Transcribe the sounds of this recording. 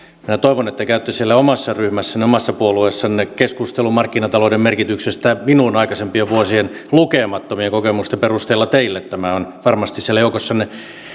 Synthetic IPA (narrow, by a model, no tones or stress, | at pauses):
minæt̪oiʋonet̪ːækæyt̪ːøsielːæomɑsːɑryhmæsːæniomɑsːɑpuoluesːɑnːekeskust̪elumɑrkːinɑt̪ɑloudemmerkit̪yksest̪æminunɑikɑsempieʋuosien | lukemɑt̪ːomieŋkokemust̪ɑperust̪eilːɑt̪eilːet̪t̪æmæonʋɑrmɑst̪isielːæjoukosːɑnːe